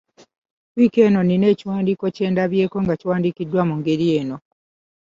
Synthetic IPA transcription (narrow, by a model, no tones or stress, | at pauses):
wike̞ːno̞nine̞ːciwaːndiko̞ce̞ːndaβje̞ːko̞ŋɡaciwaːndikidːwamuŋɡe̞ɾije̞ːno̞